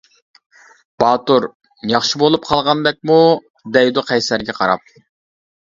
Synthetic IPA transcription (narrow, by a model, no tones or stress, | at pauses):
b̥ɑːt̪uɾ | jɑχʃibolˠup̚qʰɑlˠʁɑnd̪ɛk̚ʲmu | d̪ɛjd̪ʊqʰɛjsæɾɡʲɛqʰɑɾɑ̰p̚